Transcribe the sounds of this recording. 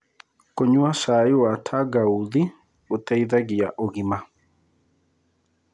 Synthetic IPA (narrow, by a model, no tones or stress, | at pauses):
koɲuaʃaiwatʰaɡauði | ut̪ɛiðaɡijaʔoɣima